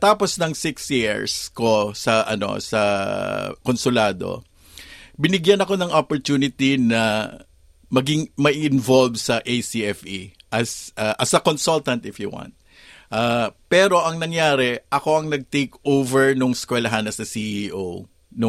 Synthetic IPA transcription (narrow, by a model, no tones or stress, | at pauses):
t̪aːposnɐŋsɪksjiɹsko̞sɐʔɐ̰no̞̰sɐ | konsʊlaːd̪o̰ | bɪnɪɡjanɐko̞nɐŋʔopoɹt̪uːnɪt̪inɐ | mɐɡɪŋmɐʔiʔɪnvolbsɐʔejsiɛfiʔɐsʔaʔɐsɐkonsult̪ɐnt̪ɪfjuwã̰nt̪̚ | ʔaːpɛːɾo̞ʔɐŋnɐŋjaːɾɛʔɐko̞ɐŋnɐɡ̚t̪ejkʔowvɛɹnʊŋskwɛlɐɦanɐsɐsiʔiʔow | nʊ